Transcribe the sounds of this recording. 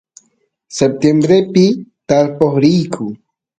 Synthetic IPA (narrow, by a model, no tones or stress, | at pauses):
sep̚t̪jembɾepɪt̪aɾpoχɾijkʰʊ